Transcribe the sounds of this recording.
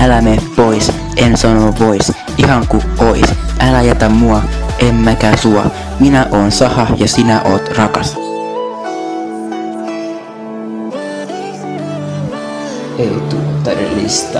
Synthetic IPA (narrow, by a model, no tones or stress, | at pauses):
ælæmeːppo̞js | ʔensɑnoʋo̞js | ihɑŋkuʔoḭsʔælæjæt̪æmuɑʔemːækæsuɑ̰ | minæʔo̞ːnsɑhɑjɑsinæʔo̞ːt̪rɑkɑs | eit̪ut̪ːeɾlḭst̪